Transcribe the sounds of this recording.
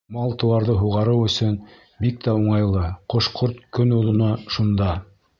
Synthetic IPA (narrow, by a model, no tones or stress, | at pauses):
mɑlˠt̪ɤ̆w̪ˠɑɾðɤɦuʁɑɾɤwɵ̆sɵn | bik̚t̪æuɴɑjlˠɤqŏʃqʰoɾt̪kɵnuðɤ̆nɑʃund̪ɑ